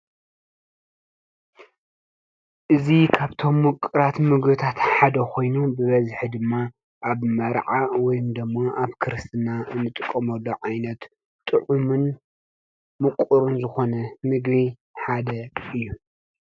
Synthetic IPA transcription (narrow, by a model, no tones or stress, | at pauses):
ʔɨzikʰaβt̪ʰo̞mːʊkʼɨɾat̪mɨɡbɨt̪ʰat̪ħad̪ɐkʰo̞jnubɨβɐzħid̪ɨmːa | ʔaβmɐɾʕawɔjumd̪ɨmːoʔaβkʰɨɾɨst̪ʰɨnaɨnːɨt̪ʼɨkʼːɐmɐlːoʕajnɐt̪ | t̪ʼɨʕumɨn | mɨkʼuɾunzɨxo̞nɐmɨɡβi | ħad̪ɐɨjːu